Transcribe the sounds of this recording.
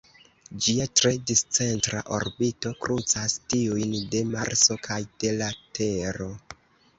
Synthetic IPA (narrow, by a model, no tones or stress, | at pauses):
d͡ʒiatɾe̞dist͡se̞ntɾa̰ʔo̞̰ɾbito̞kɾʔut͡sastiujnde̞maɾso̞kʰajd̥e̞latʰe̞ɾo̞